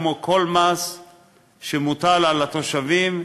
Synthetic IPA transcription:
mokʰo̞lmas | ʃemut̪alalat̪o̞ʃavim

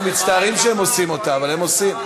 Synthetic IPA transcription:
mit̪t͡st̪aːʁimʃeemo̞simo̞t̪aːvalhemo̞sim

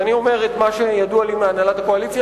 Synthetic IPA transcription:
anio̞me̞ʁet̪maʃe̞jadualimeanalat̪akoalit͡sj

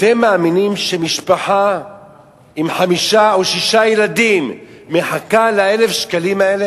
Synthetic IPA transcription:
at̪emːaːminimʃemiʃpaħa | imħamiʃaoʃiʃajelad̪imːeħakalae̞le̞fʃkalimae̞le

